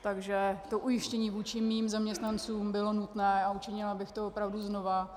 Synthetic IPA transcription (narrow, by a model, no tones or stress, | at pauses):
t̪aɡʒɛt̪o̞ʔujɪʃcɛɲiːvuːt͡ʃɪmiːmzamɲɛst̪nant͡suːmbɪlo̞nut̪nɛːaut͡ʃɪɲɪlabɪxt̪oopɾavduzno̞va